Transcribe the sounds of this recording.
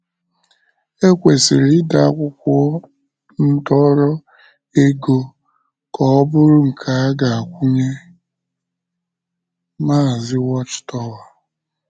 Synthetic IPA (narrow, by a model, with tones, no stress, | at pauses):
e˦kʷe˨sɪ˨ɾɪ˦da˨a˦kʷʊ˦kʷɔ˦ | n̩˦dɔ˦ɾɔ˦ | e˦ɡo˦ | kɔ˨ɔ˦bʊ˦ɾʊ˦ŋ̩˨kʰa˨a˦ɡa˨a˨kʷu˦ɲe˦ | maː˦˨zɪ˦wɔ˦t͡ʃtɔ˦wa˨